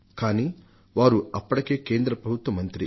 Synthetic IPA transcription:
kaːniː | ʋaːɾuɐpːɐʈɐke̞ːke̞ːnd̪ɾɐpɾɐbʱut̪ʋɐmɐnt̪ɾḭ

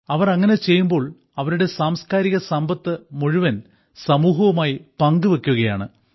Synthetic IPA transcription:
ɐʋɐrɐŋːɐne̞t͡ɕe̞jːumbo̞ːɭ | ɐʋɐɾuɽe̞saːmskaːɾiɣɐsɐmbɐt̪ːɨmuɻuʋɐn | sɐmuːɦɐʋumaːjipɐŋɡɨʋekʲːuɣɐja̰ːɳɨ

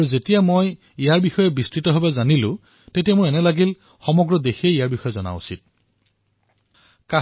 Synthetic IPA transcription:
auzetijamoj | ijaɹbixɔjɛbistɹitɔɦobazanilʊ̃ | tetijamoɛnɛlaɡil | xɔmɔɡɹɔdexieijaɹbixɔjɛzɔna̰ṵsit̚ | ka

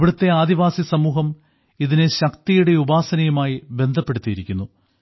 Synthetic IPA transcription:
ʋiɽut̪ːe̞aːd̪iʋaːsisɐmuːɦɐm | iðineɕɐkt̪ijuɽe̞ubaːsɐnɐjɐmaːjibe̞nd̪ʱɐpːe̞ɽut̪ːijiɾikʲːunːu

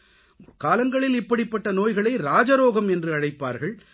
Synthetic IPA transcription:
ʊrkaːlɐŋɡɐɭɪlɪpːɐɽɪpːɐʈːɐnoːjɣɐɭɐɪɾaːd͡ʒɐɾoːɣɐmɛndrɯɐɻɐɪpːa̰ːɾɣɐɭ

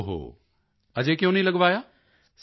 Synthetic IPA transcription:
ɦo̰ː | ɐd͡ʑekjõːnɐĩlɐɡʋaːjaː | s

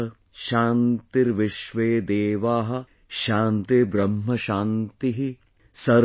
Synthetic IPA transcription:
ɐ | ʃaːnt̪iɾʋɪʃʋeːd̪eːʋaːɦɐ̆ | ʃaːnt̪ebɾɐmɦɐʃaːnt̪iɦi | sɐɾ

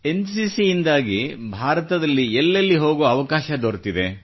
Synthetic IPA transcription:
e̞nsiːsiːnd̪aːɡibʱaːɾɐt̪ɐd̪ɐlːiɛlːɐlːiɦo̞ːɡoːɐʋɐkaːʃɐd̪oːɾt̪id̪e̞̰

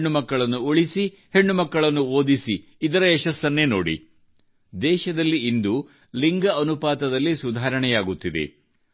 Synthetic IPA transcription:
ɳːumɐkːɐɭɐnːuoɭisi | he̞ɳːumɐkːɐɭɐnːuoːd̪isiːd̪ɐɾɐɛʃɐsːɐnːeno̰ːɽḭ | d̪ɛːʃɐd̪ɐlːiind̪u | liŋɡɐɐnupaːt̪ɐd̪ɐlːisud̪ʱaːɾɐɳɛjaːɡut̪ːid̪ḛ

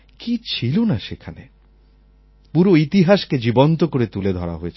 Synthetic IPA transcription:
kit͡ɕʰilonaʃekʰanḛ | puɾoit̪iɦaʃked͡ʑibont̪okoɾet̪uled̪ʱɔɾa̰ɦoet͡ɕʰ

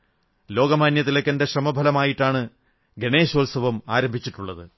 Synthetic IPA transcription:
lo̞ːɡɐmaːnjɐt̪ilɐkːɐnde̞ɕrɐmɐbʱɐlɐmaːjiʈːaːɳɨ | ɡeɳe̞ːɕɐlsɐʋɐmaːɾɐmbʱit͡ɕːiʈːuɭːɐðɨ

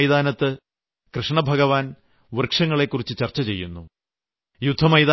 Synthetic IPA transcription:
jd̪aːnɐt̪ːɨ | krɨʂɳɐbʱɐɣɐʋaːn | ʋɨrkʂɐŋːɐɭe̞kːurit͡ɕːɨt͡ɕɐrt͡ɕːɐt͡ɕe̞jːunːu | jud̪ʱːɐmɐjd̪a

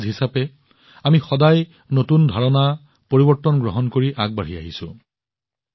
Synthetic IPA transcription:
zɦisapɛ | amixɔdaj | notundʱaɹɔna | poɹibɔɹtːɔnɡɹɔɦɔnkoɹiʔaɡ̚baɹia̰ɦisʊ̰̃

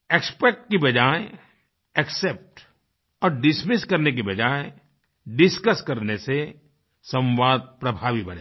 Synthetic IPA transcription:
ekspɛk̚ʈ̚kebɐd͡ʒaːe | eksep̚ʈ | ɔːɾɖɪsmɪskɐɾnek̬ebɐd͡ʒaːe | ɖɪskəskɐɾnese | sɐ̃w̃ʋaːd̪̚pɾɐbʱaːʋibɐɽ̃eː

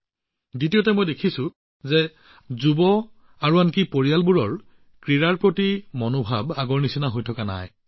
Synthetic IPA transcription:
ditiotɛmojdekʰisʊ̃ | zɛ | zubɔ | aɹuankipoɹijalbuɹɔɹ | kɹiɹaɹpɹotimɔnobʱabaɡɔɹnisinaɦojtʰɔkana̰j

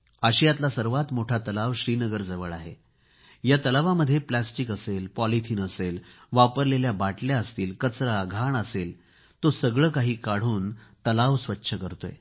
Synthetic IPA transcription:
əɕijat̪lasəɾʋat̪moʈʰat̪əlaʋɕɾiːnəɡəɾd͡zəʋəɭaɦḛ | jat̪əlaʋaməd̪ʱːjeplæsʈikəselpɔlit̪ʰiːnəselʋapəɾleljabaʈljaəst̪iːlkət͡sɾaɡʱaɳəsel | t̪osəɡɭəːkaɦiːkaɽ̤uːnt̪əlaʋsʋətːɕʰəkəɾt̪oḛ

